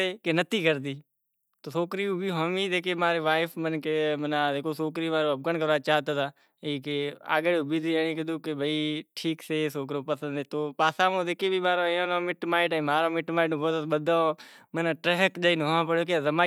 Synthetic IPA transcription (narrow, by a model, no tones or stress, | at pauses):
eːkenət̪iːkəɾd̪iː | t̪oːsoːkɾiːũːbʱiɦoːmĩːd̪eːkeːmaːɾeːʋaːɪfʰmənkemənad̪eːkoːsoːkɾiːmaːɾoːəb̚ɡənkəɾaːt͡ʃaːt̪aːt̪aː | iːkea̰ːɡebiːd̪iãːiːk̬əd̪uːkebʱəiːʈʰiːkseːsoːk̬ɾoːpəsə̃nd̪eːt̪oːpaːsãːmõːd̪eːkeːbʱiːmaːɾoõːnãːmɪʈmaːɪʈːmaːɾõːmɪʈmaːɪʈũːboːd̪əsɓəd̪amənaːʈɾeɦəkd͡ʒaːiːnɦãːpəɽjoːk̬eazəmaː